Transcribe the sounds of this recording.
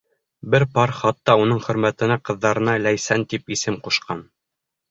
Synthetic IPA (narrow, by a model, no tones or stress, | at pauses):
bɘɾpɑɾχɑt̪ːɑunɤɴχɵ̆ɾmæt̪ɘ̆næqɤ̆ðːɑɾɤ̆nɑlæjsænt̪ipisɘmquʃqɑn